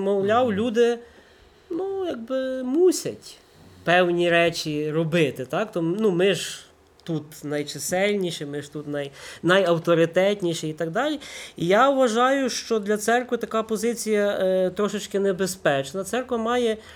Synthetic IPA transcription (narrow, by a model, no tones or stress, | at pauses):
mɔwlʲɑwlʲud̪ɪ | nujaɡ̚bɪmusʲɐtʲ | pɛwnʲiɾɛt͡ʃʲiɾɔbɪt̪ɪt̪ɑkt̪ɔnumɪʒ | t̪ut̪nɐjt͡ʃɪsɛlʲnʲiʃɛmɪʒt̪ut̪nɐjnɐjɐwt̪ɔɾɪt̪ɛtʲnʲiʃɛit̪ɐɡd̪ɑlʲiijaʊʋɐʒɑjʊʃt͡ʃɔd̪lʲɐt̪sɛrkʋɪt̪ɐkɑpɔzɪt͡sʲijɐt̪ɾɔʃɪt͡ʃkɪnɛbespɛt͡ʃnɐt̪sɛrkʋɐmɑjɛ